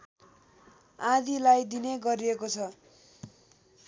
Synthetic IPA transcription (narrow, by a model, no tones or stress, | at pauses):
ãd̪ilajd̪ineɡʌɾiekot͡sʰʌ